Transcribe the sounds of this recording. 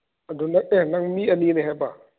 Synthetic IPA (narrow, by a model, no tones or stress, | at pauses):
adunak̚ɛnaŋmiːɐliːnɛɦɛba